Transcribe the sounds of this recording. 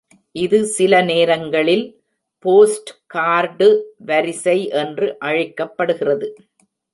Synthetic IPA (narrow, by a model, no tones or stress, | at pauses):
ʔɪðɯsɪlɐneːɾɐŋɡɐɭɪl | poːsʈkaːɾɖɯʋɐɾɪsɐɪʔɛndrɯʔɐɻɪkːɐpːɐɽɯɣɪrɐðɯ